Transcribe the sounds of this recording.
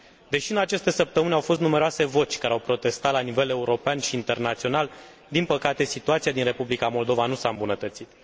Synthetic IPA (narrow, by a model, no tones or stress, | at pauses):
d̪e̞ʃiɨnat͡ʃe̞st̪e̞səp̚t̪əmɨnawfo̞st̪nume̞ɾoase̞vo̞t͡ʃʲkaɾeawpɾo̞t̪e̞st̪at̪lanive̞le̞uɾo̞peanʃiːnt̪e̞rnat̪sio̞nal | d̪inpəkat̪e̞sit̪uat̪siad̪inre̞publikamo̞ld̪o̞vanusaɨmbunət̪ət̪sit̪